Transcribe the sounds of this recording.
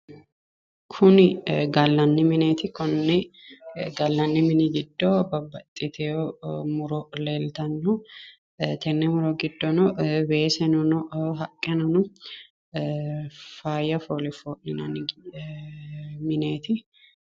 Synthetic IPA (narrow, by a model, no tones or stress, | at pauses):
kʰʊnɪɡɐlːɐnːɪmɪneːt̪ɪkɔnːɪ | ɡɐlːɐnːɪmɪnɪɡɪd̪ːobɐbːɐt̪ʼːɪt̪ʰɛomʊɾɔleːlt̪ɐnːɔ | t̪ʰɛnːɛmʊɾɔɡɪd̪ːɔnɔbeːsɛnʊnɔɦɐkʼːɛnɐnʊ | faːjɐfoːlɪfoːʔnɪnɐnɪ | mɪneːt̪ɪ